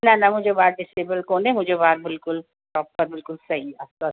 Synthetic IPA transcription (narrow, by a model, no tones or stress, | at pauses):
nanɐmʊd͡ʒebaːɾɖɪseːbəlkoːnemʊd͡ʒʱebaːɾbɪlkʊl | ʈɔːppɐɾbɪlkʊlsɐɦiaːsa